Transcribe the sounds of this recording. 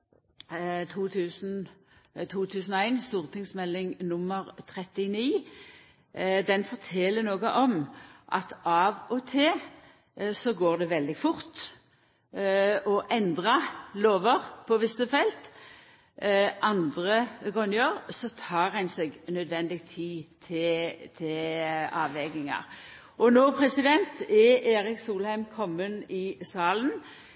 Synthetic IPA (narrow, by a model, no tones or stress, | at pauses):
t̪ʰuːt̪ʰʉːsn̩ | t̪ʰuːt̪ʰʉːsnɔæɪnst̪uːʁt̪ʰɪŋsmɛlːɪŋnʊmːəʁt̪ʰʁɛt̪ɪniː | d̪ɛnfɔʁtʰɛlːənoːɡəʔɔmʔɑ̰t̪ɑʋɔt̪ʰeː | sɔɡoːʁd̪ɛʋɛld̪ɪɡfʊʁt̪ | ɔʔɛnd̪ʁɑloːʋəʁpʰɔʋɪsəfɛlt̪ | ʔɑnd̪ʁəɡɔnjøːʁsɔt̪ʰɑːʁhɛnsɛɡnœd̪ʋɛnd̪ɪk̚t̪ʰiːt̪ʰɪt̪ʰɪɑːʋɛɡɪŋɑ̰ʁ | ʔɔnoːpʰʁɛsɪd̪ɛnt̪ɛʔeːʁɪksuːlhæɪmkʰɔmːənɪsɑːlən